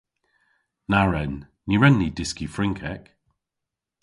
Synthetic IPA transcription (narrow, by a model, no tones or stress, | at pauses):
naɹɛnː | iɹɛnːid̥ɪskifɹɪŋkʰɛk